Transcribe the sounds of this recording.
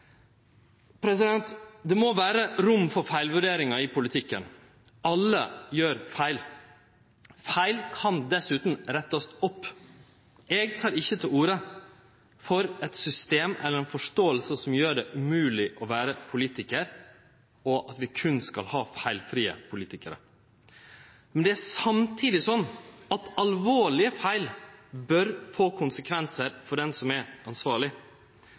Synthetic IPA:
pʰɾɛs̬ɪd̪ɛnt̪d̪ɛmoʋæːɾəɾʊmfɔɾfæɪlʋʉɖeːɾɪŋɑɪpʰʊlɪt̪ʰɪkːə̰n | ɑlːə̰jøːɾfæɪl | fæɪlkʰɑnd̪ɛsʉːt̪n̩ɾɛt̪ːɑst̪ɔpː | ɛːɡt̪ʰɑːɾɪçːət̪ʰɪluːɾə | fɔɾɛt̪sʏst̪eːmɛlːəɾɛnfɔʂʈoːəlsəsɔmjøːɖɛʔʉmʉːlɪʔɔʋæːɾəpʰʊliːt̪ɪkəɾ | ɔʔɑt̪ʋɪkʰʉnskɑ̰lhɑːfæɪlfɾiːə̰pʰʊliːt̪ɪkəɾə̰ | mɛnd̪ɛæsɑmt̪ʰiːd̪ɪsɔnːɑt̪ɑlʋoːɭɪəfæɪlbœɾfoːkʰʊnsəkʰʋɛnsəɾfɔɖɛnsɔmɛɾɑnsʋɑːɭɪ

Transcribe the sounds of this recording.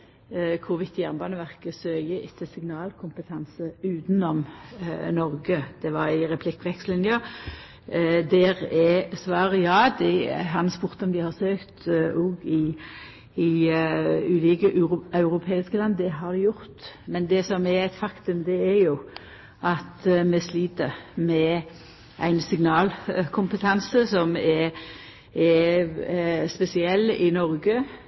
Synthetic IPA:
kʰʊʋɪt̪ʰːjæʁnbɑːnəʋæʁkəsøːjəʔɪt̪ʰːəsɪŋnɑːlkʰʊmpət̪ʰɑnsəʉːt̪nɔmnɔɾɡəd̪̥ɛʋɑɾɪɾɛpʰlɪkːʋɛkslɪnjɑ | d̪ɛʁɛsʋɑːʁəjɑːd̪ɛɦɑnspʊɾt̪əɔmd̪ɪhɑʁsøːkt̪uːɡɪ | ɪ | ʉːliːkəʔɑʉɾʊpʰeːɪskəlɑnd̪d̪ɛɦɑɾd̪ɛjʊɾt̪mɛnd̪ɛsɔmɛɛt̪fɑkt̪ʉmd̪ɛɛɾjʊ | ʔɑt̪mɛsliːt̪əɾmɛ | ʔæ̰ɪnsɪŋnɑːlkʰʊmpət̪ʰɑnsəsɔmɛ | ɛ | spɛsɪɛlːɪnɔɾɡə

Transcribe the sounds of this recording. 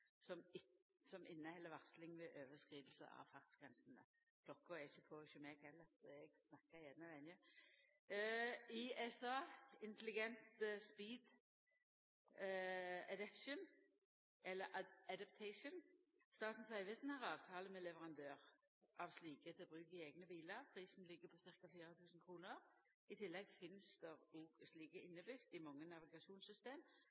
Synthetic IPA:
sɔm | sɔmʔɪnːəhɛlːəʋɑʁslɪŋʋɛʔøːʋəskʁiːdəl̩sə̰ɑ̰ʋfɑʁt̪sɡ̥ʁɛnsənə̰ | pʰlɔkːʊɛɪçːəpʰɔçɔmɛɡhɛlːəʁɛɡsnɑkːəjɛd̪nəʋɛnjə | iɛsɑːɪnt̪əlɪɡɛnt̪spiːd̪ | ɛd̪ɛpʃʊn | ɛlːəʔæd̪æp̚t̪ʰɛɪʃʊn | st̪ɑːt̪n̩sæɪʋɪsn̩hɑʁɑːʋt̪ʰɑːləmɛlɛʋəʁɑnd̪øːʁ | ʔɑʋsliːkət̪ʰɪbʁʉːkəɪeːɡnəbiːləʁpʰʁiːsn̩lɪɡːəpʰɔsɪʁkafiːʁət̪ʰʉːsn̩kʰʁuːnəʁ | ɪt̪ʰɪlːɛɡfɪnsd̪̥əʁuɡsliːkəɪnːəbʏɡ̥d̪ɪmɑŋːənɑʋɪɡɑʃuːnsʏst̪eːm

